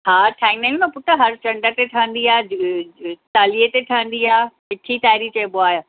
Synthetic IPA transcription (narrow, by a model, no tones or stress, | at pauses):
ɦaːʈʰaːɪ̃ŋnɐ̃ũmɐ̃pʊʈ̪ʰəɦɐɾt͡ɕɐ̃ɳɖət̪eʈʰɐʋə̃n̆d̪iaːe | t̪aːliet̪eʈʰɐə̃n̆d̪iaːkɪʈʰit̪aːɪɾit͡ɕɐːboaːɦo